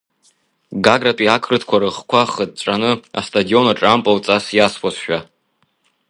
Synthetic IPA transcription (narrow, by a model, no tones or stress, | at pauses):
ɡaɡratʼiakʰrɨtʰkʷʰaɾɨʁkʷʰaχəd̚t͡ʃʷʼanɨa̰stʼadio̞naʈ͡ʂʼampʼawt͡sʼasjaspʰasʃᶣa